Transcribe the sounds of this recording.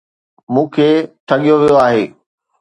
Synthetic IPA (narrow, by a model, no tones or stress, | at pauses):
mũːkʰeːʈʰɐɠijoʋijoaːɦeː